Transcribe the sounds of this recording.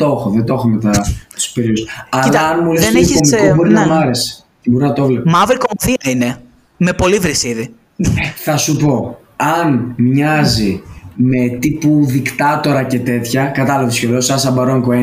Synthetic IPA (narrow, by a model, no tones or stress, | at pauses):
t̪o̞xoðet̪o̞xome̞t̪ɐt̪u̥speɾiusɐlɐɐnmulesskomikobo̞ɾinɐmɐɾe̞si̥ | ebo̞ɾinɐt̪oovlepmɐvɾikomθiɐine | me̞po̞livɾisiði | θɐsupo̞ | ɐnmɲɐzime̞t̪ipuðikt̪ɐt̪o̞ɾɐce̞t̪e̞t̪çɐkɐt̪ɐlɐvt̪osceðosɐsɐbɐɾoŋkoe